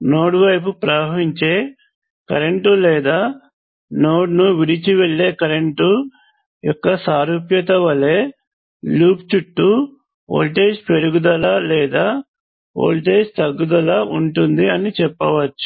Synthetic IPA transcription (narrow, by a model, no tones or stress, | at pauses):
no̞ːɽʋɐjp̬upɾaːʋiɲt͡ʃeː | kɐ̰ɾeɳʈulɛːd̪aː | no̞ːɖnuʋiɽit͡ʃiʋeɭːe̞ːkɐɾeɳʈu | jɔkːɐsaːɾupjɐt̪ɐʋɐle̞ː | luːpt͡ʃuʈːu | o̰ːlʈe̞ːʃpe̞ɾuɡud̪ɐlaːlɛːd̪aː | o̰ːlʈe̞ːst̪ɐɡːud̪ɐlaːʔuɳʈund̪iɐnit͡ʃɛpːɐʋɐt͡ʃːu̥